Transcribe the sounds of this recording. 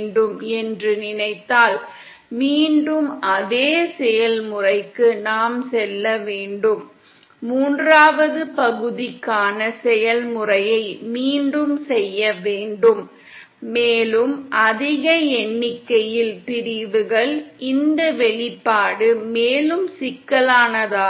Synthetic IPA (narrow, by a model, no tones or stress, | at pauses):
ɳɖɯmɛndrɯnɪnɐɪt̪ːaːl | miːɳɖɯmɐðeːsɛjɐlmʊrɐɪkːɯnaːmsɛlːɐʋeːɳɖɯmː | uːndraːʋɐðɯpɐɣɯðɪkːaːnɐsɛjɐlmʊrɐjɐɪmiːɳɖɯmsɛjːɐʋeːɳɖɯmː | eːlɯmʔɐðɪɣɐɛɳːɪkːɐjɪlpɪɾɪðɯɣɐɭʔɪnd̪ɐʋɛɭɪpːaːɽɯmeːlɯmsɪkːɐlaːnɐðaː